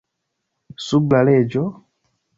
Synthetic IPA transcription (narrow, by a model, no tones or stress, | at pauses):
sublaled͡ʒɔ